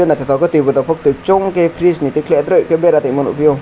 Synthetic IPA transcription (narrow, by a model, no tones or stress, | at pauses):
onat̪ʰit̪ʰɔkɯt̪ibut̪apʰɔk̚t̪ɯt͡ʃɔŋkepʰɾisnit̪ikʰlet̪ɾəkebeɾat̪emənṵpʰijo